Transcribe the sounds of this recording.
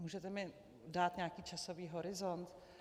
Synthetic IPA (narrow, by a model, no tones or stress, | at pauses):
muːʒɛt̪ɛmɪ | daːt̪ɲaːkiːt͡ʃasoviːɦoɾɪzont̪